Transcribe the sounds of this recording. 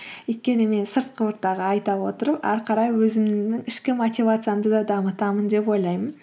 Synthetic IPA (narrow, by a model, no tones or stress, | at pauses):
ʏjt̪̚kʲe̞nɪme̞nsəɾt̪̚qʰəʊɾt̪ːɑʁəɑjt̪ɑwo̞t̪əɾəpɑ̰ɾqʰɑɾɑjwɵzɪmnɪŋɪʃkʲɪmot̪ʲivat̪sɨjamd̪əd̪ɑd̪ɑmət̪ɑmənd̪e̞pwo̞jlˠɑjmən